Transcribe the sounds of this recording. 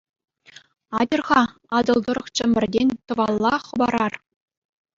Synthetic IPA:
ɑdʲɤ̆rʁɑɑd̪ɤ̆lˠd̪ɤ̆ɾɤ̆χt͡ɕɘ̆mʲɘ̆rʲdʲenʲt̪ɤ̆vɑlˠːɑχɤ̆bɑɾɑr

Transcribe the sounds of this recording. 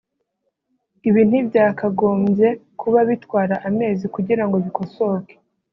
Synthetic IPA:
iβiːn̥ibɟaːkaɡo̞ːmbje̞kuβaβitkwaːɾaʔame̞ːzikuɟiɾaŋɡo̞βiko̞so̞ːɡe̥

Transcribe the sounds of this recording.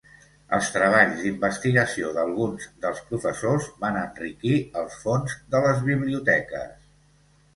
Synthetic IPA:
ə̰lˠst̪ɾəβ̞aʎzd̪imbəst̪iɣəsioðəlˠɣunzd̪əlˠspɾufəsozβanənrikiəlˠsfonzðələzβiβliut̪ɛkə̰s

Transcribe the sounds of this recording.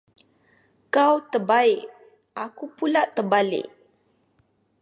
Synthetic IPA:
kawt̪ərbaɪʔ | ʔakupulaʔt̪ərbalɪ̰ʔ

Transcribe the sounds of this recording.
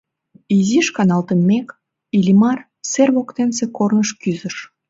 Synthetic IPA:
iziʃkɑnɑlt̪əmːek | ilʲimɑr | serβokt̪ensekornəʃkyzəʃ

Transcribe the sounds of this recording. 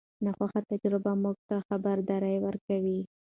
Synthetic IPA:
naxwaxat̪ad͡ʒɾɪbamuɡ̚t̪axabaɾd̪ɑɾəjwəɾkawi

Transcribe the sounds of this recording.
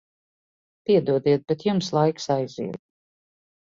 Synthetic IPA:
piɛd̪uɔd̪iɛt̪̚bɛt̪jumslˠajksajzḭɛd̪̚

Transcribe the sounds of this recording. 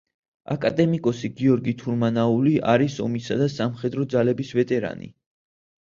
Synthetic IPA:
a̰kʼad̪ɛmikʼɔsiɡiɔɾɡit̪ʰuɾmanauliʔaɾisɔmisad̪asamχɛd̪ɾɔd̪zalɛbisvɛt̪ʼɛɾa̰nḭ

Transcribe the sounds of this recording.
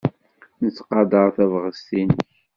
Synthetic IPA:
nət͡sːqɑd̪əʁθævʁəst̪inəçç

